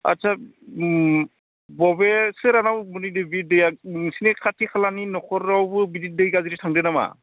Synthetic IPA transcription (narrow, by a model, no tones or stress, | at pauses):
a̰tsʰa | bɔbesɯɾanawmɯnidɯbidɯjasinekʰatʰikʰalaninɔkʰɔɾːawbɯbidit̚dɯjɡaziɾitʰaŋdɯnama̰